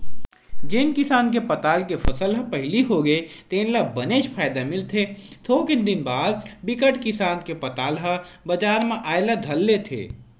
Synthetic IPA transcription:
d͡ʒeːnkɪsaːnkepɐt̪aːlkepʰɐsəlɦɐpɐɦɪliɦoɡəet̪eːnlɐbɐneːʃpʰaːjd̪amɪlt̪ʰet̪ʰokɪnd̪ɪnbaːd̪̚bɪkəʈkɪsaːnkepɐt̪aːlɦə | bɐd͡ʒaːɾmẽʔaːjlad̪ʱɐlːet̪ʰḛː

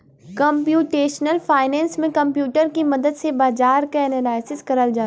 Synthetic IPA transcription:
kɐ̃mpjuːʈeːʃnəlfaːɪnɛ̃ːnsmẽkɐ̃mpjuːʈəɾkimɐd̪əd̪sebaːzaːɾkaɛːnəlaːɪsɪskɐɾəld͡ʒaː

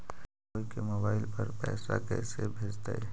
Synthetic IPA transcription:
koːikemoːbaːɪlpɐɾpɛ̰ːsa̰kɛ̰ːsebʱeːd͡ʒt̪aɛː

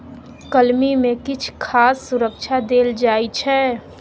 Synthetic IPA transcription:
kəlmimẽkɪt͡ʃʰkʰaːsːʊɾəkt͡ʃʰad̪eːld͡ʒaːit͡ʃʰɛː

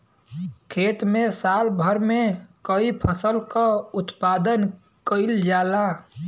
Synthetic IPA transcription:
kʰeːt̪mẽsalbʱəɾmekəipʰəsəlkaʊt̪paːd̪ən | kəɪld͡ʒaːla

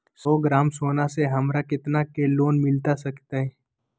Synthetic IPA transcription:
sɔːɡɾaːmsoːnaseɦɐmɾakɪt̪nakeːloːnmɪlt̪asɐkt̪aɦɛ

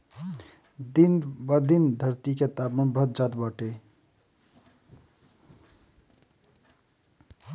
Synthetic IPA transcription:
d̪inbad̪ind̪ʱəɾt̪iket̪abmebɾət̪̚d͡ʒat̪bəʈe

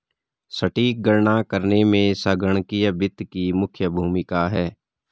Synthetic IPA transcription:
səʈiːk̚ɡəɾɳakəɾnemẽsəɡəɽ̃kijəbɪt̪kimʊkʰjəbʱuːmɪkaɦɛː

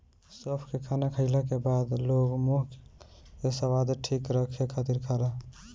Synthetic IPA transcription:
sɔpʰkekʰanakʰəɪlakebad̪loɡmoɦkkesəbad̪ʈʰikɾəkʰekʰat̪iɾkʰala

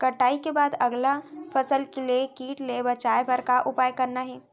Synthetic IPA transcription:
kɐʈaːikebaːd̪ɐɡlafɐsəlkeliekiːʈlebɐt͡ʃaːebɐɾkaʔʊpaːjkɐɾnaɦɛː

